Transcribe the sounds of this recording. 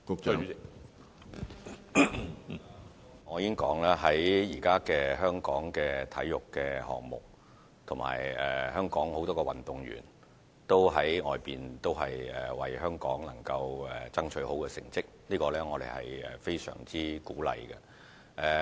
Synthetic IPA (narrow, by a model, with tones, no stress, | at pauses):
kʊ˨ | ŋɔː˨˧jiː˨˦ɪ˥ŋkɔː˨˥ŋlaː˥ɦɐ˨˥jjiː˨˩kaː˥kɛː˧ɦœː˥ŋkɔː˨˥ŋkɛː˧t̪ʰɐ˨˥jːʊ˨kːɛː˧hɔ̰ː˨ŋ̚mʊ̰˨k̚ | t̪ʰʊ˨˩ma̰ː˨˩jɛː˨hœː˥ŋkɔː˨˥ŋho˨˥wt̪ɔː˥kɛː˧wɐ˨nt̪ʊ˨ŋɥy̰ː˨˩n | t̪o˥wɦɐ˨˥jŋɔː˨jpiː˨nt̪o˥wɦɐ˨jɛ˨wɐ˨jhœː˥ŋkɔː˨˥ŋnɐ˨˩ŋkɐ˧wɛ˨t͡sɐ˥ŋt͡ʃʰɵ˨˥ɥho˨˥wkɛː˧sɪ˨˩ŋt͡sɪ˥k̚liː˥kɔː˧lɛː˥ŋɔː˨˧d̪ḛ˨˩jhɐ̰˨jɛː˨fe˥jsœ̰ː˨˩ŋt͡siː˥kuː˨˥lɐ̰˨˧jkɛ˧ | ʔɛ˨